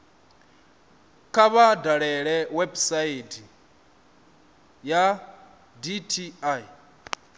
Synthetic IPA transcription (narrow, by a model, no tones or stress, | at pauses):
kʰaβadaɺɛɺɛwɛbsaitʰi | ja | ditʰia